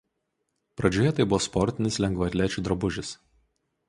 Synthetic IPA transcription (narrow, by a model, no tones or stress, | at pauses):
pɾɐd͡ʒʲoːjɛt̪ɐɪbʊʋɔspɔɾʲt̪ʲɪnʲɪslʲɛŋɡʋɐɾʲlʲæːt͡ʃʲuːˑd̪ɾɐbʊʒʲɪs